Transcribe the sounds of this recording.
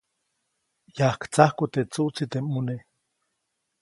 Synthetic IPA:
jahkt͡sahkut̪et͡suʔt͡sit̪emune

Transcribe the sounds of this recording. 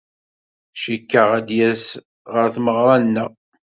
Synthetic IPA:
ʃəkːəʁæd̪jæs | ʁəɾθməʁɾˤɑnːə

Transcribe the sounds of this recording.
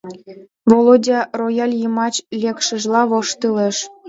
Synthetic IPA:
volˠodʲɑrojɑlʲjɤmɑt͡ɕlʲekʃə̆ʒlˠɑβoʃt̪ɯleʃ

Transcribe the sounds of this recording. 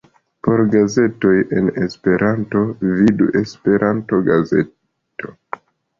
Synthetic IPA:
po̞ɾɡaze̞to̞je̞̰nespe̞ɾʔanto̞vidṵʔe̞spe̞ɾʔanto̞ɡaze̞̰ | to̞

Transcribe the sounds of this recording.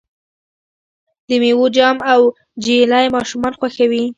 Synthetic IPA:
d̪̥əmewod͡ʒɑmaw | d͡ʒelajmɑʃumɑnxwaxawi

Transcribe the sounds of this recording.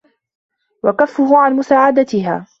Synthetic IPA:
wakafːʊɦʊʕanmʊsaːʕad̪at̪ɪɦaː

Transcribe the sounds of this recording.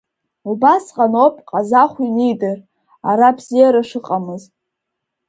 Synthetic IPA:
ubasqʼanopʼqʼazaχʷinejdɨr | aɾabzijaɾaʂɨqʼamɨztʼ

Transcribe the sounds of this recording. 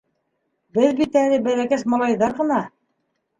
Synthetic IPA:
bɘðbit̪ænɘbæɾækæsmɑlˠɑjðɑɾʁɤ̆nɑ

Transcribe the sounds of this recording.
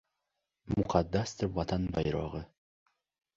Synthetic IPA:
mʊqʰad̪ːast̪ʰɪvat̪ʰanba̰jɾɒ̰ʁə

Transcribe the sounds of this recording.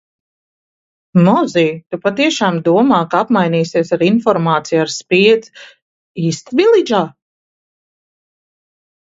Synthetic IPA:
mɔziːt̪upat̪iɛʃaːmd̪uɔmaːkaapmajniːsiɛsaɾinfɔɾmaːt̪sijaɾspiɛd̪z | iːst̪vilˠid͡ʒaː

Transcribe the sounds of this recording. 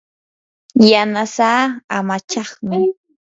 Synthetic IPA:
janasaːamat͡ʃɑχmɪ

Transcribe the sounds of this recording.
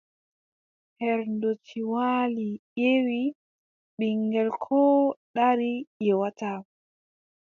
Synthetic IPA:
hɛɾndotʰiwalijewi | ɓiŋɡɛlkʰɔɗaɾijɛwata

